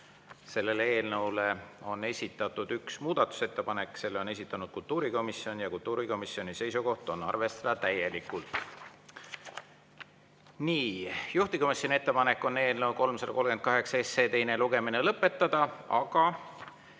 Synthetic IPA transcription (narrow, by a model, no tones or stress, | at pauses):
se̞lːe̞lee̞ːlnɤwle̞o̞nːe̞sʲit̪ːˑɑt̪ːˑud̪̥yksmuːd̪̥ɑt̪ːˑu̥se̞t̪ːepɑne̞kːˑse̞lːeo̞nes̬ʲit̪ːˑɑnud̪̥kult̪uːɾiko̞misːjo̞njɑkult̪ːˑuːɾiko̞misːio̞nise̞jsuko̞ht̪o̞nːɑ̰rve̞st̪ɑd̪ɑt̪æjːe̞likːˑult̪ | niːjuht̪iko̞misːonʲie̞t̪ːe̞pɑne̞kːˑo̞nːe̞ːlnəwko̞lmsɑd̪ɑko̞lɡ̥e̞nt̪̚kɑɦe̞ksɑesːe̞ːt̪e̞jne̞luɡe̞mine̞lɤpːˑe̞t̪ːɑd̪̥ɑɑɡ̥ɑ